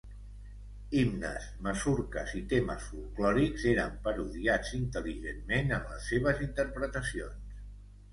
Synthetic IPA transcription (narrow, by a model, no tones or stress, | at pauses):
imnəsməsuɾkəzit̪emə̰sfulˠklɔɾikzeɾəmpəɾuðiad͡zint̪əliʒenmːenəmləsːeβəzint̪əɾpɾət̪əsions